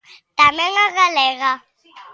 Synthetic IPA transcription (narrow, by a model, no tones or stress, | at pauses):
tʼamɛŋaɣalɛːɣa